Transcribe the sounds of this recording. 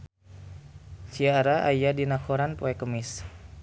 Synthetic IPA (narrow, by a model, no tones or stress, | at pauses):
siaɾaʔajadinakʰoɾanpoɛkəmis